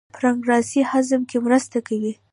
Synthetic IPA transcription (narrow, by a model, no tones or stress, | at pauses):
pɾaŋɡɾɑsihazəmkemɾəst̪akawi